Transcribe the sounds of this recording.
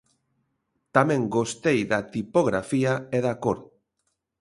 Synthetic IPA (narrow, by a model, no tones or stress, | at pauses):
t̪amẽŋɡost̪ejðat̪ipoɣ̞ɾa̰fiaeðakoɾ